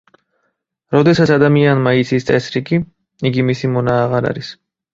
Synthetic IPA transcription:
ɾɔd̪ɛsat̪sʰad̪amianmait̪sʰist̪sʼɛsɾikʼi | iɡimisimɔnaːʁaɾa̰ɾis

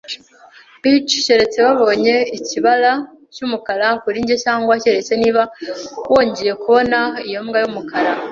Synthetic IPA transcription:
bit͡ʃce̞ɾe̞t͡se̞βaβo̞ːɲe̞iciβala | cumukalakuɾiɲɟecaːŋɡwace̞ɾe̞t͡se̞niβawo̞ːɲɟe̞je̞kuβo̞naijo̞mɡajumukʰaɾa

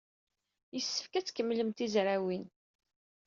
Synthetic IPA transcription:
jəsːə̥fkæt͡sːkəmːləmt̪izɾawin

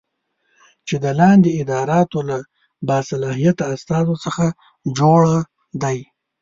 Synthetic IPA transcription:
t͡ʃed̪əlɑnd̪eɪd̪ɑɾɑt̪ola | bɑsalɑɦijat̪aːst̪ɑzosəxa | d͡ʒoɽa | d̪aj

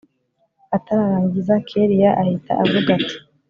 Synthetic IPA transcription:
ataɾaɾaːɲɟizakʰeɾijaʔahitʰa̰ʔavuɡati̥

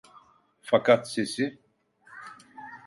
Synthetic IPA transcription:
fakat̪sesi

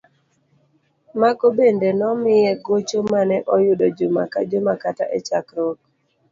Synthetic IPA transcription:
makobendenɔmɪjɛɡot͡ʃomanɛʔɔjʊdɔd͡ʒʊma̰kad͡ʒʊmakataʔet͡ʃakɾɔk

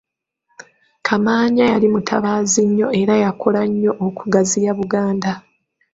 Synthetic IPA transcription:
kʰamaːɲajalimutʰaβaːziɲːo̞e̞ɾajakʰolaɲːo̞ʔːkuɡazijaβuɡaːnda

